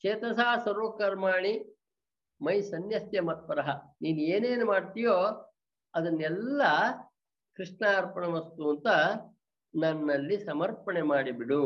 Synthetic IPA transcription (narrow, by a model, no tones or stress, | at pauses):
t͡ʃeːt̪ɐsaːsɐɾoːkɐɾmaːɳi | mɐjsɐnjɐsjɐmɐt̪̚pɐɾɐɦɐniːnueːneːnumaːɽt̪ijoː | ɐd̪ɐnːɛlːɐ | kɾiʂɳaːɾpɐɳɐʋɐst̪uɐnt̪ɐ | nɐnːɐlːisɐmɐɾpɐɳemaːɽibiɽu